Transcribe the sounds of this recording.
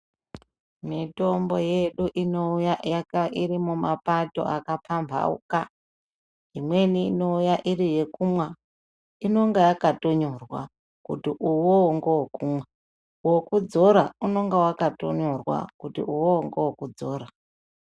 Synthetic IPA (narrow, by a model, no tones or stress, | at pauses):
mito̞mbo̞jeɗuʔinoujajakairimumapato̞̰ʔakapʰambʱa̰ṵka | ɦimwe̞niːno̞ujaʔiɾije̞kumwa | ino̞ŋɡajakato̞ɲorwa̰ | kutiʔuwoŋɡowokumwa | wokud͡zo̞ɾauno̞ŋɡawakato̰ɲorwa̰kutḭuwoŋɡowokud͡zoːra